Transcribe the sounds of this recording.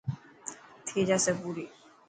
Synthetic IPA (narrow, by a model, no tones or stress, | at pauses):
t̪ʰid͡ʒasɛbuɾi